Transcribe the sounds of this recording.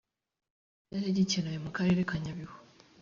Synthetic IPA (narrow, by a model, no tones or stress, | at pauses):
jateɟiciɾajomukaɾe̞ɾekaɲaβiho